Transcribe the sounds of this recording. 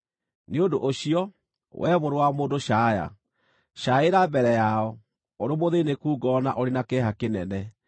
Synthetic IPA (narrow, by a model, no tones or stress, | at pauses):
neondoʔoɕiɔ | wʔɛβoɾowamoːdoɕaːja̰ | ɕaeɾabɛɾɛjaɔ | oɾomoðenekuːɡɔnaʔoɾenakɛɦakenɛnɛ